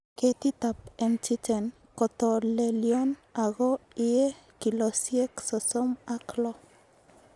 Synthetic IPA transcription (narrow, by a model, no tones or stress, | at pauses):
ket̪it̪apent͡ʃit͡ʃen | kot̪oleljonaɡoiekilosjeksosomaklo